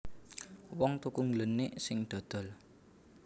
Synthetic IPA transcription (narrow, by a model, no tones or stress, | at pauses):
wɔŋt̪ukuŋlənːɪʔsɪŋɖ̪̥ɔ̤d̪̥ɔ̤l